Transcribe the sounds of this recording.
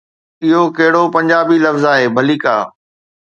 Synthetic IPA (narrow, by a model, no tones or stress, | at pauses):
ɪɦokɐɦɪɽopɐ̃ɲd͡ʑaːbilɐfzaːɦeːbʱɐliːkaː